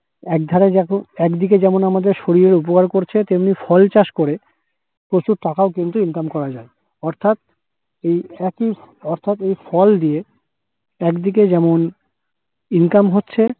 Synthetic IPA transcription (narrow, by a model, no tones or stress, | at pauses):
ɛk̚d̪ʱaɾeɛɛkd̪ik̬ed͡ʑɛmonamad̪eɾʃoɾiɾeɾupokaɾkoɾt͡ɕʰet̪emnifʰɔlt͡ɕaʃkoɾe | pɾot͡ɕuɾʈakaokint̪uinkamkɔɾad͡ʑae | ɔɾt̪ʰat̪̚ | ejɛki | ɔɾt̪ʰat̪ejfɔld̪ie | ɛkd̪ik̬ed͡ʑɛmon | inkamɦotːɕʰe